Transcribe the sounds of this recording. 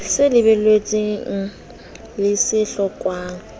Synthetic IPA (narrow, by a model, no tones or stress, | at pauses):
sɪlɪbɛlet͡sʼiŋŋ̩ | lɪsɪɬɔkʼwaːŋ̩